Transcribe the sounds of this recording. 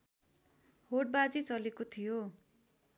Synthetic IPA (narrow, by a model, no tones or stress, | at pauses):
hoʈ̚bad͡zit͡sʌlekot̪ʰijo